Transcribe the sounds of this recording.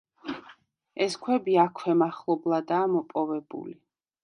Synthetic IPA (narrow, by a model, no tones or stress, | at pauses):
ɛskʰwɛbiakʰwɛmaχlˠɔblˠad̪aːmɔpʼɔvɛbṵli